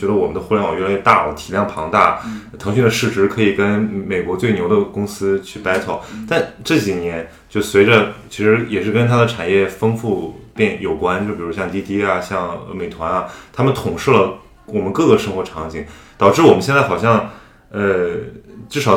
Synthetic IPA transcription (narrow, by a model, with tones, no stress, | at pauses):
t͡ɕɥɛ˧˥d̪ə˧wɔ˨˩mə˦nd̪ə˧xwlɛ˥wɑ˨˩˧la˧˥˧t̪a˥˧˩t̪ʰi˨˩ljɑ˥˩ŋpʰɑ˧˥ŋt̪a˥˩t̪ʰɤ˧˥ŋɕy˥˩d̪ə˧ʂɻ̩˥˩ʈ͡ʂɻ̩˥kʰɤ˧˥i˨˩kə˥nme˨˩ɪkwɔ˧˥t͡swe˥˩ɪnjo˧˥ʊə˧kʊ˥ŋsɹ̩˥t͡ɕʰy˥˩pa˥ɪt͡sʰɔ˥˩ʊt̪a˥˧nʈ͡ʂɤ˥˩t͡ɕi˨˩njɛ˧˥n | t͡ɕjo˥˩ʊswe˧˥ɪʈ͡ʂə˧t͡ɕʰi˧˥ʂɻ̩˧˥jɛ˨˩ʂɻ̩˥˩kə˥nt̪ʰa˥d̪ə˨ʈ͡ʂʰa˨˩njɛ˥˩fɤ˥ŋfu˥˧pjɛ˥˩njo˨˩ʊkwa˥nt͡ɕo˥˩pi˨˩˧ɕjɑ˥˧ŋt̪i˥t̪i˥ɐ˨ɕjɑ˥˩ŋə˧me˨˩ɪt̪ʰwa˧˥na˧t̪ʰa˥mə˨nt̪ʰʊ˨˩ŋʂɻ̩˥˩lə˩ | wɔ˨˩mə˦nkɤ˥˧˩ɡə˩ʂɤ˥ŋxwɔ˧˥ʈ͡ʂʰɑ˧˥ŋt͡ɕi˨˩˥ŋt̪ɑ˨˩ʊʈ͡ʂɻ̩˥˩wɔ˨˩mə˦nɕjnt͡sa˥˩ɪxɑ˨˩ɕjɑ˥˧ŋ | ə˧ | ʈ͡ʂɻ̩˥˩ʂɑ˨˩